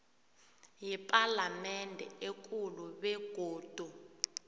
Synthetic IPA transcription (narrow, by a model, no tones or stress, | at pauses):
jipʼalamɛndʱɛek̬ʼuluɓɛɡ̥ʱoːd̥ʱu